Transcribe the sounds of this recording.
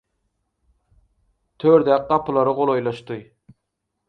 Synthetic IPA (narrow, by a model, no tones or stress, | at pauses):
t̪ʰøɾd̪æq̚qɑpʰɨlˠɑɾɯʁolˠojlˠɑʃt̪ɨ